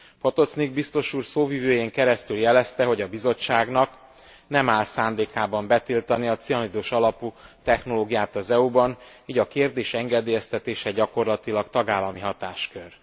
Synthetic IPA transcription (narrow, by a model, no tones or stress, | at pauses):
pot̪o̞t̪sniɡbist̪o̞ʃuːrsoːvivøːjeːŋkɛɾɛst̪yljɛlɛst̪ɛɦo̞ɟɒbizo̞t͡ʃːaːɡnɒk | nɛmaːlsaːnd̪eːkaːbɒmbɛt̪ilt̪ɒniɒt̪sijɒnid̪oːʃɒlɒput̪ɛxno̞loːɡijaːt̪ɒzɛubɒn | iːɟɒkeːrd̪eːʃɛŋɡɛd̪eːjɛst̪ɛt̪eːʃɛɟɒko̞rlɒt̪ilɒkt̪ɒɡaːlːɒmiɦɒt̪aːʃkø̞r